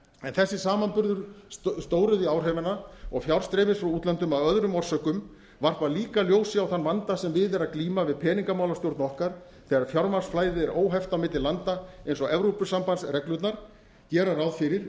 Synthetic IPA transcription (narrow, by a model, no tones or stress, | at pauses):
ɛnθɛsːɪsaːmanpʏɾðʏɾst̪oːwɾʏðɪaːwr̥ɛvɛnaɔ̰ɣfjawɾr̥st̪ɾɛːmɪsfɾawuːt̪lant̪ʏmaðœðɾʏmɔr̥sœkʏm | var̥paɾaliːkaljoːwsɪawθanːvant̪asɛmvɪðɛɾaðkliːmavɪðpʰɛːniŋkamaːwlast̪jowɾt̪nɔhkaɾ̥ | θɛːɣaɾ̥fjawɾmḁsflaːjðɪɛɾoːwɦɛft̪amɪːt̪ɪlant̪aejnsɔɣɛvɾowpʏsampansrɛklʏt̪naɾ̥ | cɛːɾaɾawðfɪɾɪɾ̥